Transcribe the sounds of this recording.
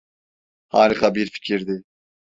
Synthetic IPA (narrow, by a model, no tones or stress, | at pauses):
hɑːɾiqʰɑbiɾfi̥cʲʰiɾd̪ɪ